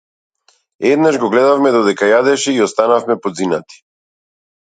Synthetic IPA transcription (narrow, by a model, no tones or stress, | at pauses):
ɛd̪naʒɡɔɡlɛd̪afmɛd̪ɔd̪ɛkajad̪ɛʃɛiɔst̪anafmɛpɔd̪zinat̪i̥